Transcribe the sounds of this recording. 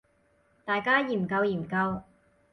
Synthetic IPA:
t̪aː˨jkaː˥jiː˨˩mkɐ˧wjiː˨˩mkɐ˧w

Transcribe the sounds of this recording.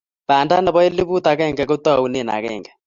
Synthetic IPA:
pa˨nda˦nɛ˨βɔ˦e˦li˦βu˦t̪a˨kɛ˦˨ŋɡɛ˨ko˦t̪a˦˨u˦ne˨na̰˨kɛ̰˦˨ŋɡɛ˨

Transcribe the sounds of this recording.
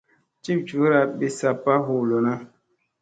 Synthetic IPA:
t͡ʃi˦˨p̚t͡ʃu˨˦ɾa˨ɓi˨sa˦pːa˦ɦu˨lo˨na˦

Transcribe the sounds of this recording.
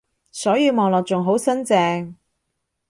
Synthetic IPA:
sɔː˨˥jiː˨˧wmɔː˨ŋlɔː˨k̚t͡ʃʊ˨ŋɦo˨˥wsɐ˥nt͡sɛː˧ŋ

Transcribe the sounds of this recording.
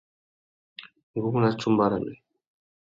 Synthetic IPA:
ŋ˨ɡu˦mu˦na˦t͡ʃu˦mba˦ɾa˨nɛ˨

